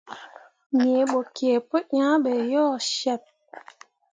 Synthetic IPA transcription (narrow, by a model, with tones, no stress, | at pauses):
mi˨e˨ɓo˨ki˨e˨pə˦ɲã˦ɓɛ˨jɔː˦˨ʃɛ˦˨p̚